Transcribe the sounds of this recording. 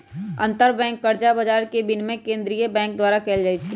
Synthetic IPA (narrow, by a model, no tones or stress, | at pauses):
ɐ̰̃nt̪əɾbɛ̃ːŋkːəɾd͡ʒabəd͡ʒaːɾkebɪnmẽkẽːnd̪ɾijəbɛ̃ːŋk̚d̪waːɾakɛːld͡ʒaːit͡ʃʰɛ